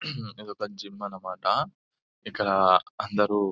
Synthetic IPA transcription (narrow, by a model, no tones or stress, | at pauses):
ed̪okɐɲd͡ʒimːɐnɐmaːʈɐ | ɪkːɐɽɐɐnd̪ɐɾu